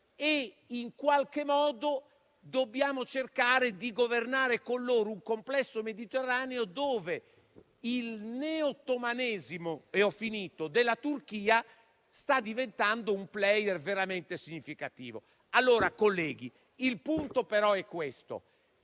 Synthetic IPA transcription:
e | iŋkwalkemɔːd̪o | d̪obːjaːmot͡ʃerkaːɾed̪iɡovernaːɾekolːoːɾouŋkomplɛsːomed̪it̪ɛrːaːneod̪oːve | ilneot̪omanɛːzimoɛɔfiniːt̪od̪elːat̪urk̟iːa | st̪ad̪ːivent̪and̪oumplɛjɛrveɾamɛnt̪esiɲːifikat̪ḭːvo̰ | alːoːɾakolːɛːɡi | ilpunt̪opɛɾɔɛkːwest̪o̰

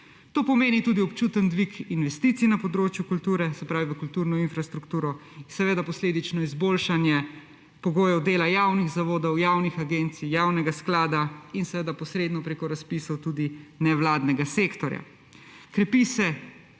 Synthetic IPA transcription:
t̪oːpɔmeːnit̪ud̪iɔpt͡ʃuːt̪ənd̪ʋikinʋɛst̪iːt̪sinapɔd̪ɾoːt͡ʃjukult̪uːɾɛsɛpɾaːʋiʋəkult̪uɾnɔinfɾast̪ɾukt̪uːɾɔinsɛʋeːd̪apɔsleːd̪it͡ʃnɔizboːlʃanjɛ | pɔɡoːjɛwd̪eːlajaːwniɣzaʋoːd̪ɔwjawnixaɡent̪sijawnɛɡasklaːd̪ainsɛʋeːd̪apɔsɾeːd̪nɔpɾekɔɾaspisɔwt̪uːd̪inɛwlaːd̪nɛɡaseːkt̪ɔɾja̰ | kɾɛpisɛ

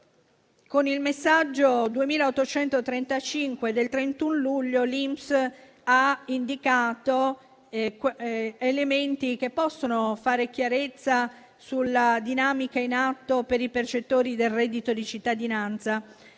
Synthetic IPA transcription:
konilmesːad͡ʒːod̪uemiːlaot̪ːot͡ʃɛnt̪ot̪ɾent̪at͡ʃiŋkwed̪elt̪ɾent̪unluʎːolimps | aind̪ikaːt̪o | element̪ik̟epːɔsːonofaːɾek̟jaɾet̪sːa | sulːad̪inaːmikainat̪ːopeɾipert͡ʃet̪ːoːɾid̪elrɛd̪ːit̪od̪it͡ʃit̪ːad̪inant̪sa

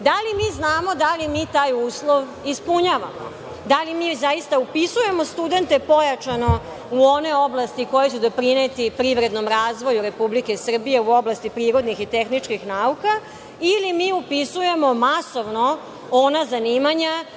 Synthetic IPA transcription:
d̪alimiːznaːmo̞d̪alimiːt̪aːjuːslˠoʋ | ispuɲaʋamo̰ | d̪alimiːzaist̪aupisuje̞mo̞st̪ud̪e̞nt̪e̞po̞jat͡ʃano̞ | uo̞ne̞o̞blˠast̪iko̞jet͡ɕud̪o̞pɾinet̪ipɾiʋɾe̞d̪no̞mɾaːzʋo̞juɾe̞publike̞sr̩bije̞uo̞blˠast̪ipɾiːɾo̞d̪nixit̪e̞xnit͡ʂkixnauka | ilimiːupisuje̞mo̞maso̞ʋno̞ | onazaniːmaɲa

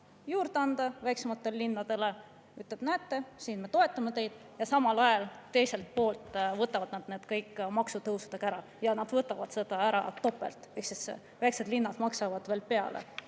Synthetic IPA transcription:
juːɾd̪̥eɑnd̪̥ɑvæjksemɑt̪ːe̞llinːɑd̪̥e̞le̞ | yt̪leb̥næt̪ːe̞siːnme̞t̪o̞e̞t̪ˑːɑmet̪e̞jd̪̥ | jɑsɑmɑlɑjɑlt̪ːe̞jse̞lt̪̚po̞ːlt̪ˑvɤt̪ːˑɑvɑd̪nɑd̪ned̪kɤjkːmɑksut̪ɤwsud̪̥ekæɾɑ | jɑnɑd̪vɤt̪ːˑɑvɑd̪̥se̞d̪̥ɑæɾɑ̰t̪o̞pːˑe̞̰lt̪ˑe̞ksis | væjkse̞d̪linːɑd̪̥mɑksɑvɑd̪̥ve̞ːlpe̞ɑ̰lḛ

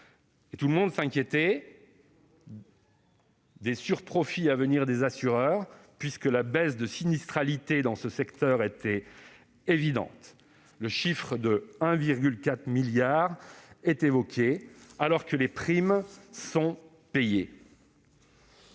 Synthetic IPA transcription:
et̪uləmɔ̃d̪sɛ̃kʲjet̪ɛ | d̪esyʁpχɔfiavəniʁd̪ezasyʁœʁpɥiskəlabɛsd̪əsinist̪χalit̪ed̪ɑ̃səsɛkt̪œʁet̪ɛ | evid̪ɑ̰̃t̪ | ləʃifχəd̪əɛ̃viʁɡʲylkat̪χmiljaʁɛt̪evɔkʲʰealɔʁkəlepχimsɔ̃ | peje

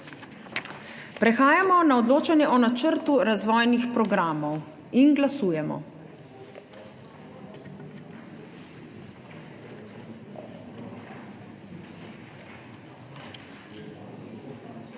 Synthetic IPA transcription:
pɾɛxaːjamɔnaɔd̪loːt͡ʃanjɛʔɔnat͡ʃəɾt̪uɾazʋɔːjnixpɾɔɡɾaːmɔw | inɡlasuːjɛmɔ̰

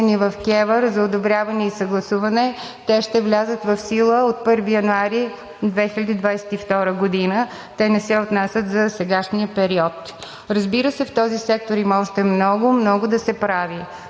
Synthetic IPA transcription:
nivɐfkʲɛvəɾzɐod̪obɾʲjavɐnɛisəɡlˠɐsuvɐnɛ | t̪ɛʃt̪ɛvlʲazət̪vɐfsilˠəot̪̚pɤɾvijɐnuaɾi | d̪vɛxilʲəd̪id̪vajsɛ̥t̪ift̪ɔɾəɡod̪inə | t̪ɛnɛsɛot̪nasʲət̪zɐsɛɡaʃniəpɛɾiɔt̪ | ɾɐzbiɾəsɛft̪ɔzisɛk̚t̪oɾimɔʒɛt̪ɛmnɔɡʊmnɔɡod̪ɐsɛpɾavi

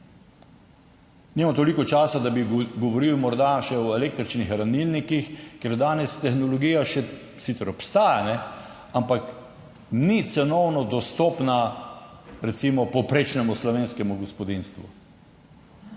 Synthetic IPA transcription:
nimamt̪olikɔt͡ʃaːsad̪abiɡɔʋoɾiwmɔɾd̪aʃɛɔeleːk̚t̪ɾit͡ʃnixɾanilnikixkɛɾd̪aːnɛst̪ɛxnɔlɔɡiːjaʃɛ | sit̪sɛɾɔpst̪aːjanɛ | ampak | nit̪sɛnɔwnɔd̪ɔst̪ɔːpna | ɾɛt̪simɔpɔpɾet͡ʃnɛmuslɔʋeːnskɛmuɡɔspɔd̪inst̪ʋu

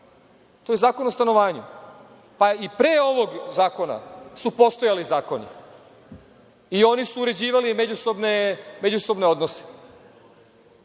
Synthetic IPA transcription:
t̪ojezaːko̞nost̪ano̞ʋaːɲu | paipɾeːo̞ʋo̞ɡzaːko̞na̰supo̞st̪o̞jalizaːko̞nḭ | io̞nisuːɾe̞d͡ʑiːʋalimed͡ʑuso̞bneme̞d͡ʑuso̞bneo̞d̪nose̥

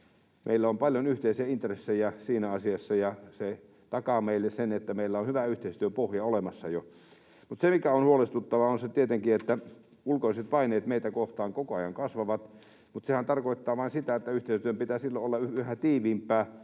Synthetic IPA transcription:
mʔḛilːæompɑljonyht̪eisiæint̪resːejæsiːnæɑsiɑsːɑjɑse | t̪ɑkɑmeˑilːessenet̪ːæmeilːæonhyʋæyht̪eˑist̪yøpohjɑolemɑsːɑjo | mut̪semikæonhuolest̪ut̪ːɑʋɑonset̪iet̪eŋkiet̪ːæ | ulkoiset̪pɑineːt̪meit̪ækoht̪ɑːŋkokoɑjɑŋkɑsʋɑʋɑt̪ | mut̪sehænt̪ɑrkoˑit̪ːɑːʋɑˑinsit̪æet̪ːæyht̪eˑist̪yømpit̪æːsilːoolːɑyyhæt̪iːʋiːmpˑæː

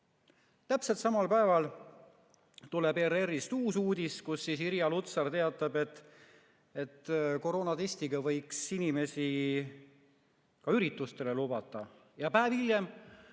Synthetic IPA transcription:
t̪æpse̞lt̪sɑmɑlpæe̞vɑl | t̪ulebeɾeɾist̪uːsuːd̪̥iskusːisiɾjɑlut̪sɑrt̪e̞ɑt̪ːˑɑb̥e̞t̪ː | e̞t̪ːko̞ɾo̞ːnɑt̪esʲt̪iɡɑvɤ̞jksinime̞si | kɑyɾit̪ːˑust̪e̞le̞lubɑt̪ːˑɑ | jɑpæːvilje̞m

